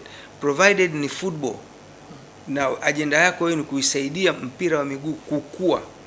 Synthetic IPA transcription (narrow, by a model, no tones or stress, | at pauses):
pɾɔvajɗɛdnifut̚ɓɔ̰l | naaʄɛndajakɔwɛɛnikuisaiɗiam̩piɾawamiɡuːkukua̰